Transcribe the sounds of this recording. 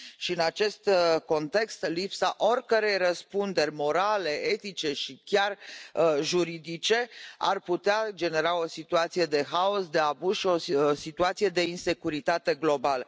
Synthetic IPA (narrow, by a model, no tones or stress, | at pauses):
ʃiɨnat͡ʃe̞st̪ko̞nt̪e̞kst̪lipsaʔorʲkəɾe̞jrəspund̪e̞rʲmo̞ɾale̞ʔe̞t̪it͡ʃe̞ʃikʲar | ʒuɾid̪it͡ʃe̞a̰rput̪ead͡ʒe̞ne̞ɾao̞sit̪uat̪sije̞d̪e̞ɦao̞sd̪e̞abuzʃio̞sit̪uat̪sije̞d̪e̞inse̞kuɾit̪at̪e̞ɡlo̞balə